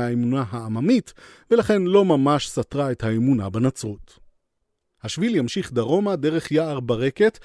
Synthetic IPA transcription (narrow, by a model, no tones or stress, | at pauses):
aemunaɦaːmamit | velaχe̞nlo̞mamaʃsatʁaethaemuna̰banat͡sʁut̪ | haʃviljamʃiχd̪aʁo̞madeʁe̞χjaːʁbaʁeket